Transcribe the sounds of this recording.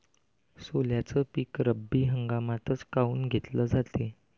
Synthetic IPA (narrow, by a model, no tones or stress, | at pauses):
soljat͡səpiːkɾəbːiːɦəŋɡamat̪ət͡skauːnɡʱet̪ləd͡zat̪e